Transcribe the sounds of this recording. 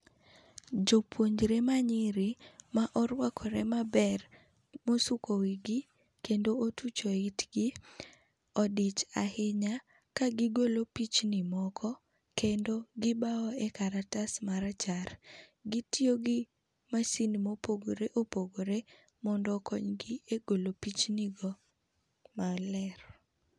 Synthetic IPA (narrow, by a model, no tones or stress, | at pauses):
d͡ʒopwoɲd͡ʒɾemaɲɪɾimaʔɔɾwakʰɔɾemabɛr | mosukowiɡɪ | kendootut͡ʃoɪtɡi | ɔdɪt͡ʃa̰hɪɲa | kaɡɪɡolopit͡ʃnɪmɔkʰɔ | kendoɡɪbaɔɛkaɾatasmaɾat͡ʃaɾɡitioɡɪ | masinimopoɡoɾeʔopoɡoɾe | mɔndɔkɔɲɡieɡolopit͡ʃnɪɡɔ | malɛɾ